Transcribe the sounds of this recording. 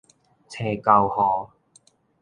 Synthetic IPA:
t͡sʰɛː˧kɐ˧whɔː˨˩

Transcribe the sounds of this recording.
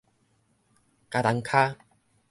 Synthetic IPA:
ka˧t̪a˨˧˦ŋkʰaː˦

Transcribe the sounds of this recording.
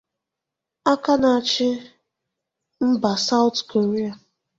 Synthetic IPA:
a˦ka˦na˨a˨t͡ʃɪ˦ | m̩˦ba˨sa˦ʊ˦tko˨ɾe˦a˨

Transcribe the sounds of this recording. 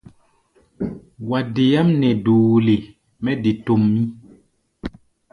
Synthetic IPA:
wa˨de˨ja˦mnɛ˨duː˨le˨ | mɛ˦de˨to˨mːi˦

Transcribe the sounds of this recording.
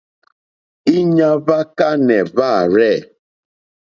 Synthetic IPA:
i˦ɲa˦va˦ka˦nɛ˨va˦˨ɾɛ˦˨

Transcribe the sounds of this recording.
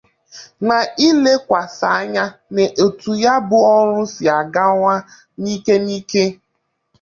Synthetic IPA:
na˨i˦le˦kʷa˨sa˨a˦ɲa˦ne˨ʔo˨tu˨ja˦bʊ˨ɔ˦ɾʊ˦sɪ˨a˨ɡa˦ŋʷa˦ | ni˦ke˦niː˦ke˦

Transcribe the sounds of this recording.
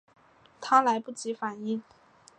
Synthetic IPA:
t̪ʰa˥la˧˥ɪpu˥˩t͡ɕi˧˥fa˨˩ni˥˩ŋ

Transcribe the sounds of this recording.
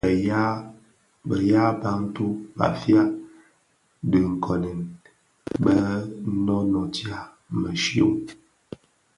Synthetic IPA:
a˦ | bə˨ja˦ba˦n̩˦tu˦ba̰˨fja˦ | də˨ŋ̩˨kʰɔ˨nɛ˨n | bə˦nɔ˦nɔ˨tja˦ | mə˨ʃjo̰˦

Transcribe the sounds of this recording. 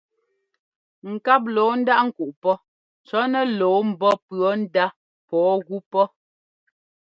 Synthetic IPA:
ŋ̩˨ka˦p̚loː˨˦n̩˦da˦ʔŋ̩˨ku˨ʔpɔ˦ | t͡sɔ˦nɛ˦loː˨˦m̩˨bɔ˦pɰɔ˨˦n̩˦da˦ | pɔː˨˦ɣu˦pɔ˦

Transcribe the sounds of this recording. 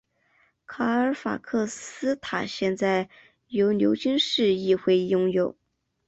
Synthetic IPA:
kʰa˨˩ə˞˧˥fa̰˨˩kʰɤ˥˩sɹ̩˥t̪ʰa˨˩ɕjɛ˥˧nt͡sa˥˩ɪ | jo˧˥ʊnjo̰˧˥ʊt͡ɕy˥nʂɻ̩˥˧i˥˧xwe˥˧ɪjʊ˥ŋjo˨˩˦ʊ

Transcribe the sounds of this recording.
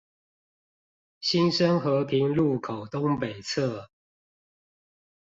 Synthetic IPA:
ɕi˦nʂə˦nxɤ˨˦pʰi˨˦ŋlu˥˨kʰo˨˩ʊt̪ʊ˦ŋpe˨˩ɪt͡sʰə˥˨

